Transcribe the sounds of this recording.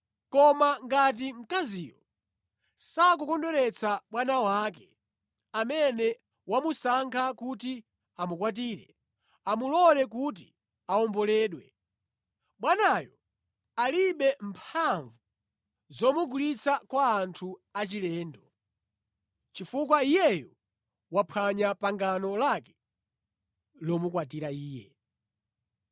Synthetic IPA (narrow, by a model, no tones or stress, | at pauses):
kɔmaŋɡat̬im̩kaziːjɔ | sak̬ukɔndɔɾɛt͡sʰaɓwanawaːkɛ | amɛnɛ | wamusaŋkʰakut̬i | amukwat̬iːɾɛ | amulɔlɛk̬ut̬i | aɔmbɔlɛːɗwɛ | ɓwanajɔ | aliɓɛmpʰaɱvu | zɔmuɡulit͡sʰakwaːntʰuat͡ʃilɛːndɔ | t͡ʃifukwaijɛjɔ | wapʰaɲapaŋɡanɔlakɛ̥ | lɔmukwat̬iɾaiːjɛ